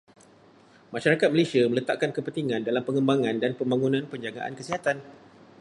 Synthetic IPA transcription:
maʃaɾakat̪̚məlesiamə̃lət̪a̰ʔkankəpənt̪iŋãndalampəŋəmbaŋãndanpəmbaŋunãnpəɲd͡ʒaɡa̰ʔa̰nkəsiɦat̪an

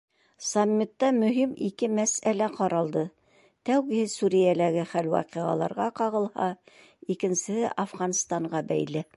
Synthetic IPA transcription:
samʲːit̪ːɑmɵ̆ɦimikɘmæsælæqɑɾʔɑlˠd̪ɤ | t̪æwɡɘ̆hɘsuɾijælæɡɘχælwɑ̰qiʁɑ̰lˠɑ̰ɾʁɑqɑʁɤ̆lˠhɑ | ikɘ̆nsɘ̆hɘʔɑfʁɑnst̪ɑɴɢɑbæ̰jlɘ

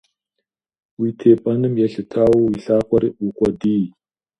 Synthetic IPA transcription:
witʰeːpʼɐnɨmjɛɬɨtʰaːwiɬaːkʷʼɔɾiʔʷukʷʼɔdiː

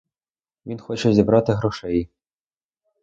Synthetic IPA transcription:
ʋʲinxot͡ɕɛzʲibɾɑt̪ɘɦɾoʂɛj

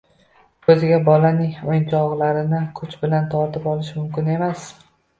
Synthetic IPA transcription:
kʰɵzɪɡʲabɒlanɪŋojnt͡ʃʰɒʁlˠaɾɪnɪkʰʊt͡ʃbɪlant̪ʰɒɾt̪ʰɪpɒlɪʃmʊmkʲɪne̞mas

